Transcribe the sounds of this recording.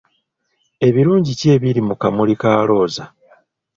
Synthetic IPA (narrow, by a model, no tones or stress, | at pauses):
e̞βiɾuːɲɟice̞ːβiɾimukamulikaːlo̞ːza